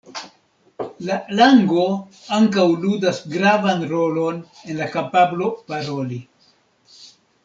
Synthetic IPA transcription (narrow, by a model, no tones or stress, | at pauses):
lalaŋɡo̞ | aŋkawludasɡɾavanɾo̞lo̞n | enlakapablo̞paɾo̞li